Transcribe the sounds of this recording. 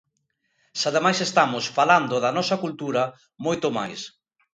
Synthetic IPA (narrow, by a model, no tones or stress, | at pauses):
saðemajsest̪amosfaland̪ʊðɐnɔsɐkult̪uɾɐ | mojt̪oma̰js